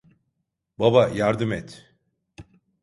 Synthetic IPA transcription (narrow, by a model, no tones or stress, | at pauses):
babajaɾd̪ɯmɛt̪